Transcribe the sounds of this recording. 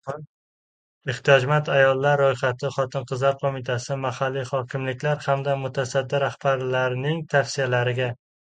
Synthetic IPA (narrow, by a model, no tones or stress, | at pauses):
ɪht̪ʰijɒd͡ʒmant̪ʰajɒlˠːaɾːojχat̪ʰɪχɒt̪ʰɪnqʰɨzlaɾqʰomɪt̪ʰasɪmahalːiχɒkʲʰɪmlɪkʲlaɾhamd̪amʊt̪ʰasad̪ːɪɾahbaɾlaɾnɪŋt̪ʰafsijalaɾɪɡʲa